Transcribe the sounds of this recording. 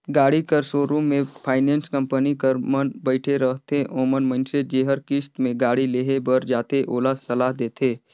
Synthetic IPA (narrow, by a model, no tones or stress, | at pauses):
ɡaːɽikəɾsoːɾũmẽpʰaːɪnẽːnskə̃mpənikəɾmənbəɪʈʰeɾəɦt̪ʰeʔoːmənmə̃nsed͡ʒeːɦəɾkɪst̪mẽɡaːɽileːɦebəɾd͡ʒaːt̪eʔoːlasɐlaːɦd̪eːt̪ʰeː